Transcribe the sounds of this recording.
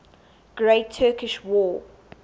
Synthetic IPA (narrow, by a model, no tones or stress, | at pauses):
ɡ̥ɹeɪtʰːɜːˑkɪʃwɔː